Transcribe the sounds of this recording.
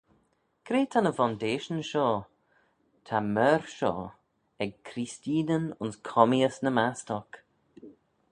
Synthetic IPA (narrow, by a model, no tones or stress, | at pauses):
kɾeːtʰanəfandeːʃənʃɔː | tʰamɛɾʃɔ̰ː | ɛɡ̚kʰɾistiːnənʊnskʰɔmiəsnəmastɔk